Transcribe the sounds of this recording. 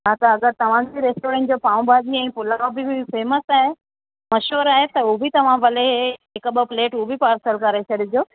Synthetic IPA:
ɦaːt̪ɐɐɡəɾt̪ɐʋ̤ãd͡ʑiɾeːsʈoːɾɛ̃ːɳʈ̚d͡ʑoːpaːũbʱaːd͡ʑiɛ̃ːpʊlaobɪʊfeːmət̪aːɦe | mɐʃuːɾaːɦet̪ɐubʱɪt̪ɐʋ̤ãʋɐleɦɪkɓəpleːʈubʱipaːɾsəlkɐɾet͡ɕʰɐɗɪd͡ʑoː

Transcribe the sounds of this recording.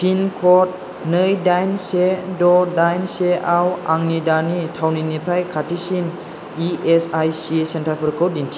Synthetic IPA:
fʰinkʰɔt̪̚ | nɯjdajnsedɔdajnseʔawʔaŋnidanit̪ʰawninipʰɾajkʰat̪ʰisin | iesajsisent̪ʰɾapʰəɾkowdintʰi

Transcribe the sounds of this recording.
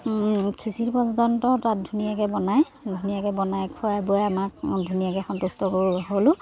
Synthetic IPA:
kʰisiɹpɔzɔzɔntɔtat̚dʱunijakɛbɔnaj | dʱunijakɛbɔnajkʰuabojamakdʱunijakɛxɔntustɔkoɹiɦolʊ̃

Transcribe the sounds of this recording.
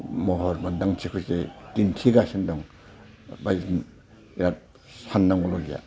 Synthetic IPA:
mɔɦɔɾbandaŋt͡ʃʰikʰusetintʰiɡasindɔŋ | bajzn | iɾat̚ | sanːaŋɔlɔɡija̰

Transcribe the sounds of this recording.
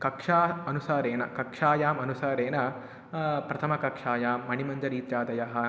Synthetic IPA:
kɐkʂaːɐnusaːɾeːnɐ̰kɐkʂaːjaːmɐnusaːɾeːnɐ | pɾɐt̪ʰɐmɐkɐkʂaːjaːmːɐɳimɐɲd͡ʒɐɾiːt̪jaːd̪ɐjɐɦɐ̆

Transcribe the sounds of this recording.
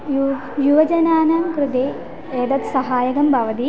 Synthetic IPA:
j | juʋɐd͡ʒɐnaːnaːmkɾud̪eː | eːd̪ɐt̪sɐɦaːjɐɡɐmbʱɐʋɐt̪i

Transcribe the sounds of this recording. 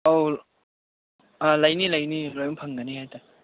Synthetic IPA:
ow | lɐjnilɐjnilojmpʰəŋɡɐniɦajt̪a

